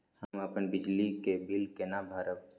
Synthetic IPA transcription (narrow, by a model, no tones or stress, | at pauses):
həmɐpənbɪd͡ʒlikebɪlkenabʱaːɾək